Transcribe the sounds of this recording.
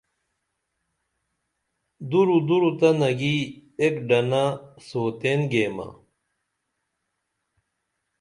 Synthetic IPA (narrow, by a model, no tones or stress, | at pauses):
d̪uɾud̪uɾut̪ɐnɐɡiekɖɐnasoːt̪enɡeːmɐ̰